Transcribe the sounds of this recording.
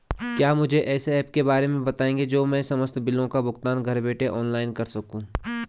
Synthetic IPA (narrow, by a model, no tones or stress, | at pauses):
kjaːmʊd͡ʒʱeʔɛːseɛːpkebaːɾemẽbɐt̪aːẽːŋɡed͡ʒoːmɛ̃ːsɐməst̪ʰbɪlõkabʊkt̪aːnɡʱɐɾbeːʈeʔɔːnlaːɪnkɐɾsɐkũː